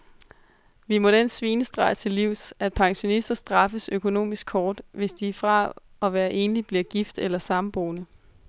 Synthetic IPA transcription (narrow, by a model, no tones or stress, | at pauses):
ʋimɒ̽ɾ̥ensʋiːnəsd̥ʁɑ̈ɪət͡sʰe̝lːiʊ̰sæd̥̚pʰɑ̈ŋɕo̝nisd̥ɐsd̥ʁɑ̈fəsøkʰo̝no̝̰ːmisɡ̥̚ʰɒːd̥ʋe̝sd̥ifʁɑ̈ | ɒ̽ʋæːɐʔe̝ːnlib̥liɐɡ̥ifd̥elɐsɑ̈mb̥o̝ːnə